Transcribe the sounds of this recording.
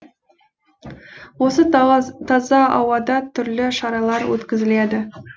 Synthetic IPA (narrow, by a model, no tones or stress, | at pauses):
wo̞sət̪ʰɑzɑɑ̰wɑd̪ɑt̪ʰʏɾlɪʃɑɾɑlˠɑɾwɵ̰t̪kʲɪzɪle̞d̪ɪ